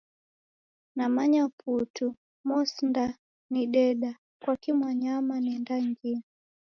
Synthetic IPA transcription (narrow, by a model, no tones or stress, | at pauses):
namaɲapʰutu | mɔsnda | niɗɛɗa | kwakimwaɲamanɛndaŋɡia